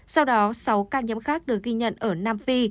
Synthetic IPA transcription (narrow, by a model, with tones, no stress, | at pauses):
sa˧wɗɔ˨˦sa˨˦wkaː˧ɲə̰˧˥mxaː˦˥k̚ɗɨ˨˩ək̚ɣi˧ɲə̰˧˨nʔəː˧˩naː˧mfi˧